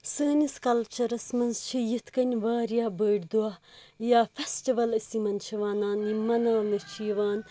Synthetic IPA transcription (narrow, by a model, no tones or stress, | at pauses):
səːniskɐlt͡ʃʰɐɾɐsmɐnzt͡ʃʰijit̪ʰkɐnʲʋaːɾjaːbəːɖʲd̪uajaːfesʈiʋɐlɐsimɐnt͡ʃʰiʋaːnaːnimɐnaːmiɾt͡ʃʰiːʋaːn